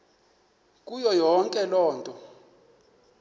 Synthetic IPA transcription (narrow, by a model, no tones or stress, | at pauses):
k̬ʼujɔjɔŋkʼɛlɔːntʼɔ